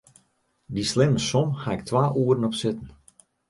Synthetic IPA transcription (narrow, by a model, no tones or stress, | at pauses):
dislɪməsɔmhaɪk̚tʰʋaːʔuəɾənɔpsɪtn̩